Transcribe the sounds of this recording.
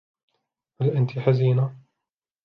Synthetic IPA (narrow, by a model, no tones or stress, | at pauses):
halʔant̪iħaziːna